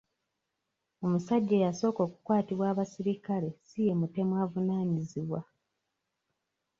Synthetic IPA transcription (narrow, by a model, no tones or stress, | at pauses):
o̞musaɟːe̞jaso̞ːko̞ːkukwaːtiβwaːβasiɾikale̞sije̞mute̞mwaːvunaːɲiziβwa